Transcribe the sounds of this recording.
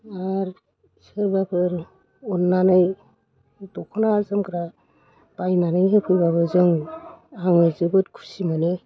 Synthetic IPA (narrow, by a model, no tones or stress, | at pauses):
aɾ | sɯɾbapʰɯɾ | ɔnːanɯj | dɔkʰɔnaːzɯmkʰɾa | bajmanɯjɦɯpʰɯjbaβɯzɯŋ | aŋɯzɯbɯtkʰu̥simane